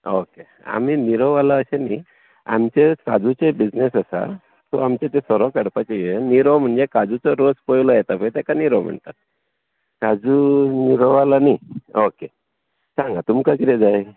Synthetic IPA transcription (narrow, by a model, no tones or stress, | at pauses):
oke | a̰miniɾɔʋalaəɕeni | a̰mt͡ɕekad͡zut͡sebid͡znesasa̰ | t̪ɔamt͡ɕat̪esəɾɔkəɽpat͡ɕejeniɾɔm̤əɳd͡zekad͡zut͡sɔɾod͡zpəjlɔjɛt̪apəjt̪ɛkaniɾɔm̤ə̰ɳt̪at̪̚ | kad͡zuniɾɔʋalanioke | sãŋɡat̪umkakiɾed͡zaj